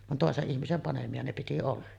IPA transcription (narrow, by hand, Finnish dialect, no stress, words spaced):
ʋɑn toˑeseʔ ʔihmisem pɑnemiɑ ne piti olːɑ